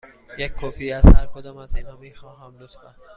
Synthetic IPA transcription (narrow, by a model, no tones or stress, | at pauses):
jekʰːɔːpʰiazhaɾkod̪ɔːmazinhɔːmiːxɑːɦãmlʊt̪fa